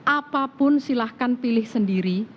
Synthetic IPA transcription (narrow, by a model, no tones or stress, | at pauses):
ʔapapʊnsilahkanpilɪhsəndiɾi